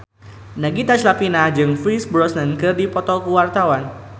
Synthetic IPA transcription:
naɡit̪at͡ʃlapinahd͡ʒɨŋfɾisbɾɔsnankɨrdipɔt̪ɔkuwart̪awan

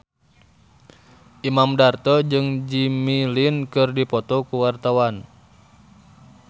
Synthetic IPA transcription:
ʔimamdart̪ɔd͡ʒɨŋd͡ʒimilinkɨrdipɔt̪ɔkuwart̪awan

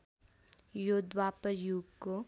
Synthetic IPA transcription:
joːd̪wapəɾjuːɡko

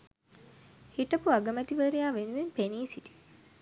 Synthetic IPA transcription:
hiʈəpuaɡəmæt̪iʋəɾejaːʋenuʋempeniːsit̪i̥

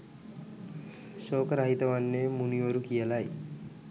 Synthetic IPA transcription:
soːkəɾaɦit̪əʋanːemuniʋoɾukijəlaj

